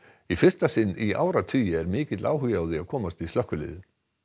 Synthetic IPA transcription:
ifɪ̥st̪asɪnːia̰ːwɾat̪ʰyːjɪɛɾmɪːcɪt̪lʔa̰ːwɦʏjaːwðɪaðkʰɔːmast̪ist̪œhkːʏlɪ̰ːðɪ

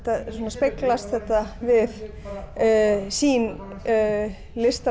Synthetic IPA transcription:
t̪asoːnaspɪklast̪θɛht̪avɪð | siːn | lɪst̪a

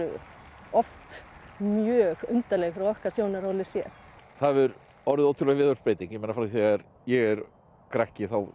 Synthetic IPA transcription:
ʏ̰ | ɔft̪mjœːɣʏnt̪alɛɣfɪɾawɔhkaɾ̥sjoːwnaɾowlɪsjɛθaðvɛɾ | ɔɾðɪðoːwt̪ʰʏɾlɛɣvɪːðaɾ̥speːjt̪iŋkjɛmeːnafɾaθɛɣaɾ | jɛɣɛɾ | kɾahcɪθaw

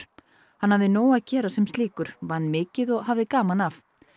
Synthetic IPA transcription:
hanhavðɪnoːwaðcɛːɾasɛmst̪liːkʏɾ̥vanːmɪːcɪðɔɣɦavðɪkaːmanaf

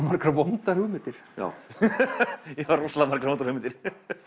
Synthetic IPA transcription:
maɾkɾavont̪aɾhʏmɪt̪ɪɾ̥ja̰ːw | jaaɾɔsalamaɾkɾavownt̪aɾhʏmɪnt̪ɪɾ̥

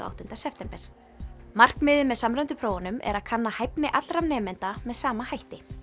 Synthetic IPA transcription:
ʔa̰wht̪ʏnt̪asɛft̪ɛmpɛɾ̥ | mar̥kmɪːðʏmːɛðsamɾɛnt̪ʏpʰɾoːwanʏmʔɛ̰ɾaðkʰanːahajpnɪʔat̪lɾamnɛːmɛnt̪amɛðsaːmahajht̪ɪ

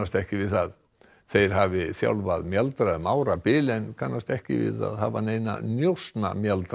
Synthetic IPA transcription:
ast̪ɛhcɪvɪθað | θejɾ̥ɦavɪsja̰wlvaðmjɛlt̪ɾaɛðmaːwɾapɪːlɛnkʰanːast̪ɛhcɪ̰vɪ̰ða̰ðhaːvanejna̰njowsna̰mjalt̪

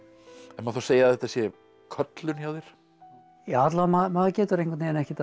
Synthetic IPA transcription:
ɛnmaðθawseːjaðɛht̪asjɛ | kʰœt̪lʏnjawðɪɾ̥ | jaat̪laamamaðcɛːt̪ʏɾejŋkʰat̪iɛnɛhcɪt̪

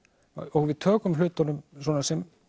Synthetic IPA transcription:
ɔɣvɪðt̪ʰœːkʏmlʏt̪anʏmsɔːnasɛm

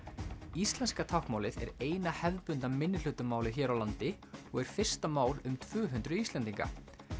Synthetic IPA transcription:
ist̪lɛnskat̪ʰawhkmaːwlɪðɛ̰ɾeːjnahɛvðpʏnt̪amɪnːɪl̥ʏt̪ʏmaːwlɪçɛːɾawlant̪ɪ | ɔɣɛɾ̥fɪr̥st̪amaːwlʏmt̪ʰvʏːɦʏnt̪ɾʏist̪lɛnt̪iŋka̰

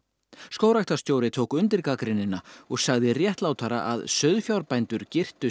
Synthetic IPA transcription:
skoːwɾaxt̪ḁst̪joːwɾɪt̪ʰowkʏnt̪ɪɾkakɾɪnɪnːaɔɣsaɣðɪrjɛht̪lawt̪ʰaɾa̰ʔaðsœɥðfjawɾpajnt̪ʏɾcɪr̥t̪ʏ

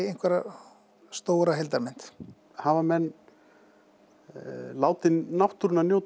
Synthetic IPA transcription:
ejn̥kvɛɾa | st̪oːwɾaɦelt̪aɾmɛn̥t̪ | havamɛnː | laːwt̪ɪnnawht̪uɾʏnanjowt̪

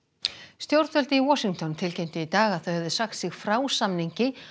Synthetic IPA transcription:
st̪jowɾt̪fœlt̪ɪiwɔsiŋt̪ɔnt̪ʰɪlcejmn̥t̪ɪit̪aːɣaðθœɥhɛvðʏsaxt̪sɪɣfɾaːwsamniɲcɪ

